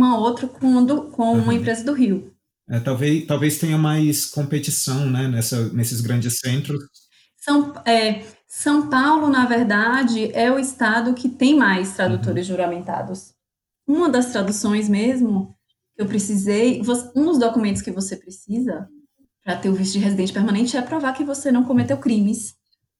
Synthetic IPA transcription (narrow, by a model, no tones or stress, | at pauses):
umɐowt̪ɾɐkõd̪ʊkõũmɐẽpɾezɐd̪ʊɦiw | ɛt̪awvet̪awvest̪ẽɲɐmajskõmpet͡ʃisɐ̃w̃nɛnɛsɐnesɪzɡɾɐ̃d͡ʒɪsẽnt̪ɾʊs | sɐ̃w̃pɛ | sɐ̃w̃pawlʊnɐveɾd̪ad͡ʒɪʔɛʊɪst̪ad̪ʊkɪt̪ẽj̃majst̪ɾad̪ut̪oɾɪzʒuɾɐmẽnt̪a̰d̪ʊs | ũmɐd̪ɐst̪ɾad̪usõj̃z̬mezmʊ | kɪewpɾesizejvosũd̪ʊzd̪okumẽnt̪ʊskɪvosepɾesizɐ | pɾɐt̪eɾʊvist̪ʊd͡ʒɪɦezid̪ẽnt͡ʃɪpeɾmɐ̃nẽt͡ʃɪɛpɾovaɾkɪvosenɐ̃w̃kõmet̪ewkɾĩmɪs